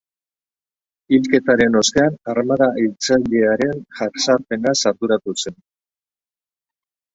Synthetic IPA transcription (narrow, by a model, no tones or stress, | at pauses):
ilke̞t̪aɾe̞no̞st̪eanaɾmaðaʔilt͡saʎe̞aɾe̞nʝarsaɾpe̞nasaɾðuɾat̪use̞n